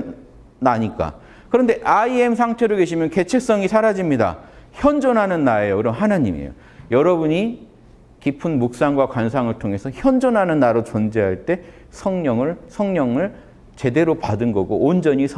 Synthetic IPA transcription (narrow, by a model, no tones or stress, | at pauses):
naɲik͈a̰ | kɯɾʌnde̞ʔaie̞msʰaŋtʰeɾoɭke̞ɕʰimjʌnke̞t͡ɕʰe̞s͈ʌŋisʰaɾad͡ʑimɲida̰çjʌnd͡ʑʌnɦanɯnːaejokɯɾʌnɦanaɲḭmḛjo̰ | jʌɾʌbuɲi | kipʰɯnmuk̚s͈aŋɡwakwans̬ʰaŋɯɭtʰoŋe̞sʰʌçjʌnd͡ʑʌnɦanɯnːaɾot͡ɕʌnd͡ʑeɦaɭt͈e̞ | sʰʌŋɲʌŋɯɭsʰʌŋɲʌŋɯɭ | t͡ɕe̞de̞ɾopadɯnɡʌɡoːnd͡ʑʌɲisʰ